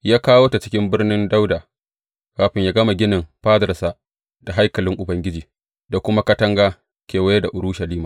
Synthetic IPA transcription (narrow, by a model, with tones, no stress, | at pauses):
jaː˦kaː˦woː˦ta˨t͡ʃɪ̥˦kʲɪ˦mbɪ˦rnɪ˦nda˦wdaː˨ | kaː˨ɸɪ˨ɲjaː˦ɡɐ˦ma˨ɡʲɪ˦nɪ˨mɸaː˦dɐ˨sa˦ | d̥a˨ɦa˦jkɐ˨lɪ˦ŋʔʊ˨bɐ˦ŋɡʲɪ˦d͡ʒiː˨ | da˨kʷʊ˦ma˦kɐ˦tɐ˦ŋɡaː˦ | kʲeː˨wɐ˦je˦da˨ʔʊ˨ɽu˦ʃɐ˨liː˦maː˨